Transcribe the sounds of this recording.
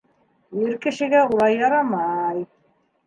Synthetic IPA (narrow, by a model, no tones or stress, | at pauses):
jɘɾkɘ̆ʃɘ̆ɡæulˠɑjːɑɾɑmɑj